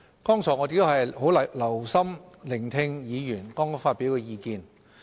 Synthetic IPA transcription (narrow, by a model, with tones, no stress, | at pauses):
kɔː˥ŋt͡sʰɔː˨˩ŋɔ˨˧t̪e˨˧˥t̪o˥whɐ˨jho˨˥wlɐ˨lɐ˨˩wsɐ˥mlɪ˨˩ŋt̪ʰɪ˧ŋjiː˨˧jyː˨˩nkɔː˥ŋ˥faː˧t̚pi˨˥wkɛː˧jiː˧kiː˨n